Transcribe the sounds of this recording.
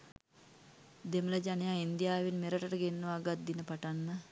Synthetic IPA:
d̪emələd͡ʒanejaːind̪ijaːʋinmeɾəʈəʈəɡenːəʋaːɡat̪̚d̪inəpaʈanːə

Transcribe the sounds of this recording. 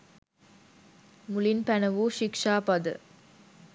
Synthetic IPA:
mulinpænɐʋuʃikʂaːpɐd̪ə̰

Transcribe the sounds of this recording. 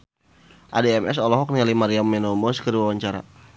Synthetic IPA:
ʔadeɛmʔɛs̬ɔlɔɦɔk̚nialimaɾiamːɛnɔmɔskəɾiwawaɲt͡ʃaɾa̰

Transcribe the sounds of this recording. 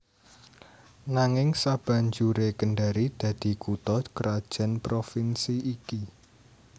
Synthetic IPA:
naŋɪŋsab̥a̤ɲd͡ʒuɾekənɖaɾid̪̥ä̤d̪̥i̤kut̪ɔkəɾad̥ʒ̥a̤npɾofinsiːki

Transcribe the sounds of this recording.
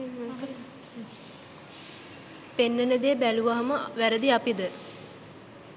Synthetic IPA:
penːənəd̪eːbæluʋaɦɐməʋæɾəd̪iapid̪ə

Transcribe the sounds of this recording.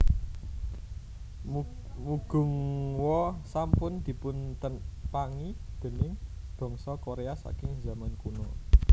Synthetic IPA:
m | muɡ̥ʊ̤ŋwɔsampʊnd̪̥i̤pʊnt̪ənpaŋid̪̥e̤nɪŋb̥ɔ̤ŋsɔkoɾeasa̰kɪŋza̤mankunɔ

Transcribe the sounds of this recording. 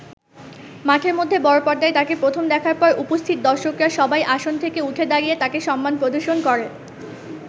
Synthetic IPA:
maʈʰeɾmod̪ʱːebɔɾopɔɾd̪aet̪akepɾot̪ʰomd̪ɛkʰaɾpɔɾʔupost̪ʰit̪̚d̪ɔɾʃokɾaʃɔbajʔaʃont̪ʰekeuʈ̪ʰed̪aɾijet̪akeʃɔmːanpɾod̪ʱoɾʃonkɔɾe

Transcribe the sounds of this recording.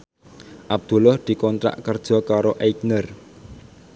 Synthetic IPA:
ʔab̚d̪̥ṳlʊhd̪̥i̤kɔnt̪ɾa̰ʔkərd̥ʒ̥ɔ̤kaɾoʔejknər

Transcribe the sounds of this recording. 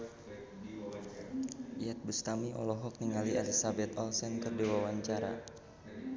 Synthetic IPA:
iat̪̚bust̪amiʔɔ̰lɔɦɔk̚niŋalialisabɛt̪ɔlsɛnkɨrdiwawaɲt͡ʃaɾa̰

